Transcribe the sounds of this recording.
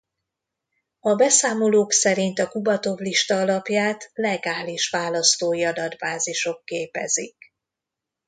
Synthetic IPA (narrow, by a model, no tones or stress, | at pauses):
ɒbɛsaːmo̞loːksɛɾint̪ɒkubɒt̪o̞vliʃt̪ɒɒlɒpjaːt̪lɛɡaːliʃʋaːlɒst̪oːjiɒd̪ɒd̪baːziʃo̞kːeːpɛ̰zḭk